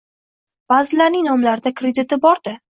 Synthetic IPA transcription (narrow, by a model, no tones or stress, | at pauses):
b̥aːzɪlaɾnɪŋnɒmlaɾɪd̪akɾed̪ɪt̪ɪbɒɾd̪ɪ